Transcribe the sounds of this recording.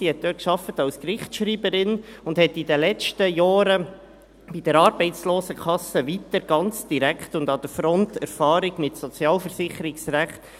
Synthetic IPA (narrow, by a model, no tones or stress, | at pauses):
d̥iɛt̚d̥̪øːkʃɑfətɑʊskrɪχʃɾiːbəɾɪnʊndhɛtːidəlɛt͡ʃtəjɑːɾə | b̥id̥əɾɑːɾbɛɪtsloːsəkʰɑsəʋit̪əɾɡ̥ɑnt͡sd̥iɾækχtʊnd̪ɑd̪əɾfɾɔntɛɾfɑːɾiɡ̥mɪtsɔt͡sjɑːlfəɾsɪχəɾɪksræχt